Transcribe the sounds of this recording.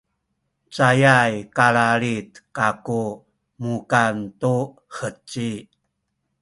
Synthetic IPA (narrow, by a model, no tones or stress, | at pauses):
t͡sajajkaɭaɭitkaku | mukantu | hət͡si